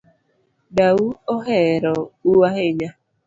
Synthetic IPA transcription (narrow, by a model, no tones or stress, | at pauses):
dauɔɦɛɾɔuaɦeɲa